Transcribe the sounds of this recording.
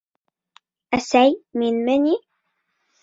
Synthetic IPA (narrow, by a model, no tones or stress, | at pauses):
æsæjminmæni